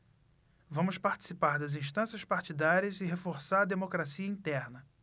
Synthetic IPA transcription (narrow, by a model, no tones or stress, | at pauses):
vɐ̃mʊspaɾt͡ʃi̥sipaɾd̪ɐzĩst̪ɐ̃sjɐspaɾt͡ʃid̪aɾiɐzɪɦefoɾsaɾɐd̪emokɾasiɐĩnt̪ɛɾnɐ